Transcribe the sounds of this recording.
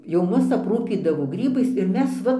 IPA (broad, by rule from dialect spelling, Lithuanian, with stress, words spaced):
jɛʊ ˈmʊs ɐpˈruːpʲiːdɐʋoː ˈɡrʲiːbɐɪs ɪr ˈmʲɛs ˈʋɐ